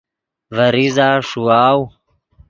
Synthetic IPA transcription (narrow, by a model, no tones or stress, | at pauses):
vɐɾizaːʂuaːw